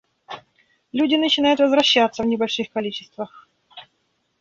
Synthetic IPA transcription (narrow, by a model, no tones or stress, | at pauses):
lʲudʲɪnət͡ɕɪnajʊt̪vəzvɾɐɕːat̪səvnʲɪbɐlʲʂɨxkɐlʲit͡ɕɪ̥st̪vəx